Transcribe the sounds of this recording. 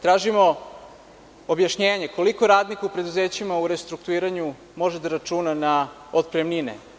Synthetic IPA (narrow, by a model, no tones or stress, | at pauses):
t̪ɾaːʒimo̞ | objaʃɲeːɲeko̞liko̞ɾaːd̪nikaupɾe̞d̪uzeːt͡ɕimauɾest̪ɾuk̚t̪uiːɾaɲu | mo̞ʒed̪aɾat͡ʃuːnana | ot̪̚pɾemninḛ